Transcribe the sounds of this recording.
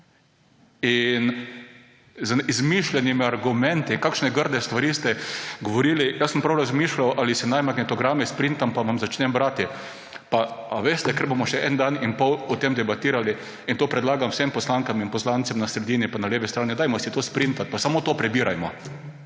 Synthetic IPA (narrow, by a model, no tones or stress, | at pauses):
in | zizmiʃlʲɛnimiaɾɡʊmɛ̃nt̪ikakʃnɛɡəɾd̪ɛst̪ʋaɾiːst̪ɛɡoʋoɾiːlijasːəmpɾawɾazmiːʃlʲawʔalɪsɛnajmaknɛt̪ɔɡɾamɛspɾint̪ampaʋamzat͡ʃnɛmbɾat̪ɪ | paaʋeːst̪ɛkəɾbomɔʃɛʔɛnd̪aninpɔwɔt̪emd̪ɛbat̪iːɾali | int̪oːpɾɛd̪laːɡamwfsempɔslaŋkaminpɔslant̪sɛmnasɾɛd̪iːnipanaleːʋɛst̪ɾaːnɛd̪ajmɔsɛt̪oːspɾint̪at̪̚pasamot̪oːpɾɛbiːɾajmɔ